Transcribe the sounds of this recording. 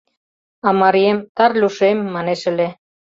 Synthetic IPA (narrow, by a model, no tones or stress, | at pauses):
ɑmɑɾiemt̪ɑrlʲuʃemːɑneʃə̆le